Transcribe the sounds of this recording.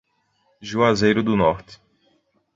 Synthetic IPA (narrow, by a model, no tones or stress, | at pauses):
ʒuazejɾʊd̪ʊnɔɾt̪ɪ̥